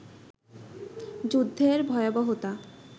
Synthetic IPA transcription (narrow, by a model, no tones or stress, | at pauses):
d͡ʑud̪ʱːeɾbʱɔeobɔɦot̪a